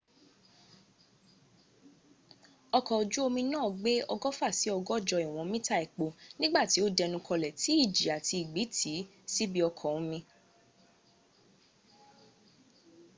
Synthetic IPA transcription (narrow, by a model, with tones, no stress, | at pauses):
ɔ˧kɔ˨o˨d͡ʒu˦o˧mĩ˧nãː˦˨ɡ͡be˦ɔ˧ɡɔ˦fa˦˨si˨˦ɔ˧ɡɔ˦˨d͡ʒɔ˧i˨w̃ɔ̃˧mĩ˦ta˦˨ɛ˨k͡po˨nĩ˦ɡ͡ba˦˨ti˨˦o˦dɛ˧nũ˧kʰɔ˧lɛ˨tʰi˨˦i˦˨d͡ʒi˨a˨tʰi˧i˨ɡ͡bi˨˦tʰi˨˦ | si˦bi˦ɔ˧kʰɔ˨ũ˨˦mĩ˧